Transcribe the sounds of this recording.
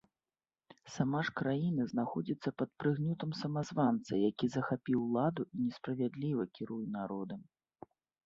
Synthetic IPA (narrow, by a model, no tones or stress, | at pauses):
samaʂkɾajinɐznaxɔd͡zʲit̪sːɐpɐt̪̚pɾɨɣnʲut̪ɐmsɐmazvant̪sɐ̰jakʲizɐxapʲiwlˠad̪uʔinʲɛspɾɐvʲad̪lʲivɐkʲiɾujunaɾɔd̪ɨ